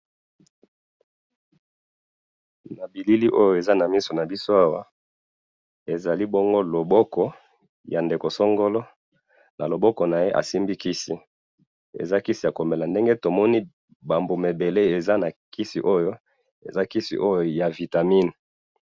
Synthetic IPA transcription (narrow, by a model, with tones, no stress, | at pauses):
na˨bi˨li˦li˦ʔo˦jo˨e˨za˦na˨mi˦so˨na˨bi˦so˦a˦wa˦ | e˨za˨li˦bo˦ŋɡo˦lo˨bɔ˦kɔ˦ | ja˨nde˨ko˨so˦ŋɡo˦lɔ˦ | na˨lo˨bɔ˦kɔ˨na˨je˦ʔa̰˨si˦mbi˦ki˦si˦ | ḛ˨za˦ki˦si˨ja˨ko˨mbe˨la˨nde˦ŋɡe˦to˨mɔ˦ni˦ | ba˨mbo˨me˨be˨le˦e˨za˦na˨ki˦sḭ˨ʔo˦jo˦ | ḛ˨za˦ki˦sḭ˨ʔo˦jo˨ja˨vi˨ta˨mi˦n˨